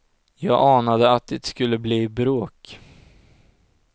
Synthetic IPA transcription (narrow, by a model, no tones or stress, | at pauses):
jɑːɡʔɑːnad̪əat̪̚d̪ɪt̪skɵlːəbliːbɾoːk